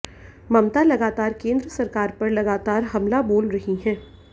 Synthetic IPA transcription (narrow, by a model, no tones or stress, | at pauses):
mɐmt̪alɐɡaːt̪aːɾkẽːnd̪ɾəsɐɾkaːɾpɐɾlɐɡaːt̪aːɾɦɐmlaboːlɾɐɦiɦɛ̃ː